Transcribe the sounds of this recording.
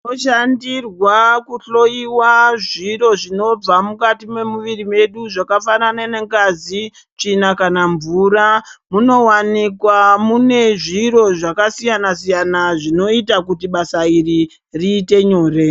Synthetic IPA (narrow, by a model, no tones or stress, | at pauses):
oʃandirwakuɬo̞iwaʐiɾo̞ʐino̞b͡vamukatime̞muʋirime̞ɗuʐakafanananeŋɡazi | t͡ʂinakanaɱvuramuno̞wanikwamune̞ʐiɾo̞ʐakasijanasijanaʐino̞itakutiɓasairi | riːte̞ɲo̞ːre̞